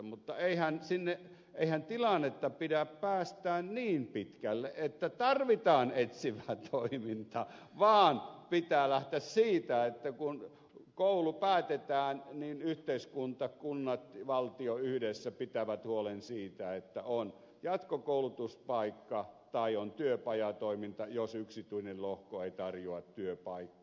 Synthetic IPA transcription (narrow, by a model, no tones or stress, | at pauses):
mut̪ːɑeihænsinːeʔʔ | ʔeihænt̪ilɑnːet̪ːɑpidæppæːst̪æːnniːmpit̪kælːeʔʔet̪ːæt̪ɑrʋit̪ɑːnet̪siʋæːt̪ʰoimint̪ɑ | ʋɑːnpit̪æːlæht̪æssiːt̪æet̪ːækun | koˑulupæːt̪et̪æːnninyht̪eiskunt̪ɑkunːɑt̪ʋɑlt̪ioyhdesːæpit̪æʋæt̪huolensiːt̪æet̪ːæon | jɑt̪kokoˑulut̪uspɑikːɑt̪ɑiont̪yøpɑjɑt̪oimint̪ɑjosyksit̪yinellohkoeit̪ɑrjoɑt̪t̪yøpɑikːɑ̥